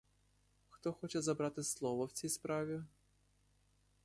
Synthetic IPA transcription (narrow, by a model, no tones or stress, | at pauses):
xt̪ɔxɔt͡ʃɛzɐbɾɑt̪ɪslˠɔʋɔwt͡sʲijspɾɑʋʲi